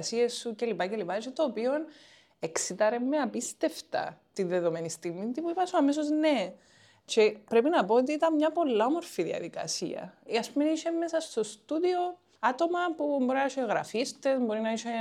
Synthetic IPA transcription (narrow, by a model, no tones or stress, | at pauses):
sie̞sːuce̞lipace̞lipɐiʃet̪o̞ːpio̞n | e̞ksit̪ɐɾe̞mːeɐpist̪e̞ft̪ɐ̰t̪inðe̞ðo̞menist̪iɣmit̪ipuipɐsuɐmes̬o̞zne̞ | t͡ʃe̞pɾe̞pinɐpo̞ot̪̬iit̪ɐnmɲɐpo̞lːɐomo̞ɾfiðiɐ̰ðikɐ̰sḭɐ̰ɐspumeniʃemːesɐst̪o̞st̪uðio̞ | at̪o̞mɐpumbo̞ɾinɐiʃeɣɾɐfist̪e̞zbo̞ɾinɐiʃe